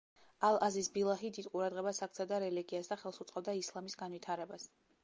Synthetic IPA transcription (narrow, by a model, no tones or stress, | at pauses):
alˠazisbilˠaɦid̪id̪qʼuɾad̪ʁɛbasak̚ʰt̪sʰad̪aɾɛliɡiasd̪aχɛlˠsut̪sʼqʼɔb̚d̪aislˠamisɡanvit̪ʰaɾɛbas